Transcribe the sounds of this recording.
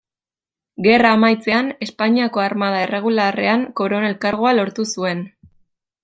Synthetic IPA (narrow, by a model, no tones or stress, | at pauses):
ɡe̞raːmajt͡se̞ane̞spaɲiako̞aɾmað̞ae̞re̞ɣ̞ulare̞aŋko̞ɾo̞ne̞lkaɾɣ̞oalo̞ɾt̪usue̞n